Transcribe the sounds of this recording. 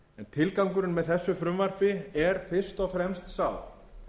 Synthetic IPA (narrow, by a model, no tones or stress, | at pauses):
ɛnt̪ʰɪlkawŋkʏɾʏnmɛðθɛsːʏfɾʏmvar̥pɪɛɾ̥fɪr̥st̪ɔɣfɾɛmst̪saːw